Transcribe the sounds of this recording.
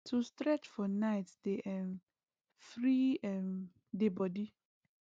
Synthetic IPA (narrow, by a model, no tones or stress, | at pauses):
tʰustɾɛt͡ʃfɔnaɪtd̥eʔɛm | fɾiɛm | debɔdi